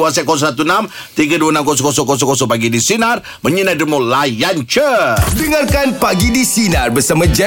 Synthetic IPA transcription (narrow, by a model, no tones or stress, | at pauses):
wasɛʔkɔs̬ɔsat̪unamt̪iɡaduwanamkɔs̬ɔkɔs̬ɔkɔs̬ɔkɔsɔpaɡidisinar | məɲinadəmolajant͡ʃədəŋarkanpaɡidisinarbəsamad͡ʒɛ